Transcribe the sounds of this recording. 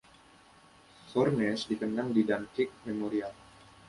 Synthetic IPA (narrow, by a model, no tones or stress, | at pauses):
fɔrnɛsdikənaŋdidankɪk̚memoɾial